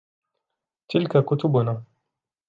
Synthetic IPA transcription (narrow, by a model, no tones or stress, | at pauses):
tilkakutubuna